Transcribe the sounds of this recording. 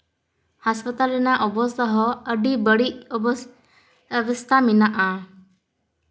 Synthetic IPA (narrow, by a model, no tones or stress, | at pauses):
haspat̪alɛnaʔɔbɔst̪ɔɦɔəɖibəɽiʔɔbɔs | bist̪aminaʔa